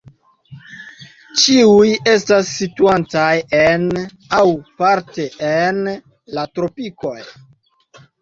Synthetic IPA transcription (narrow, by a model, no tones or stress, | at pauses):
t͡ʃiuje̞stasːituant͡sajen | awpaɾte̞ʔen | latɾo̞piko̞j